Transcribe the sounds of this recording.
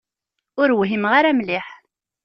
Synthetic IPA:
ʊɾwɦimʁaɾæmlɪħ

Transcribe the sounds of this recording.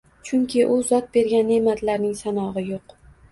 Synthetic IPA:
t͡ʃʰʊŋkʲɪʔʊzɒt̪̚be̞ɾɡʲanːemat̪laɾnɪŋsanɒʁɨjoq

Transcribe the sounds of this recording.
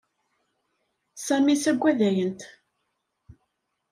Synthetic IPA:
sæmisæɡʷːæðæjənt̪

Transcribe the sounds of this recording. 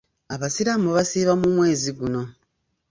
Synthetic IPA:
aβasiɾamoβasiːβamumwe̞ːziɡuno̞

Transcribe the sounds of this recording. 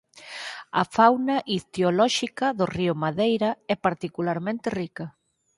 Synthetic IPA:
ɐ̰fawnɐʔit̪eolɔʃikɐðʊriʊmaðejɾɐɛpaɾt̪ikulaɾmẽnt̪erikɐ

